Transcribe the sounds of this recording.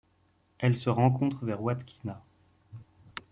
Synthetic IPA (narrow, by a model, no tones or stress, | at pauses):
ɛlsəʁɑ̃kɔ̃t̪χəvɛʁwat̪kʲʰi̥na